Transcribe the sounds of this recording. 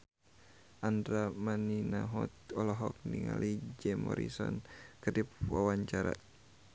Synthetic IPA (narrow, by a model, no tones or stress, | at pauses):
ʔandɾamaninaɦɔt̪̚ɔlɔɦɔk̚niŋa̰lʔid͡ʒɛmɔ̰ɾisɔnkədipwawaɲt͡ʃaɾa̰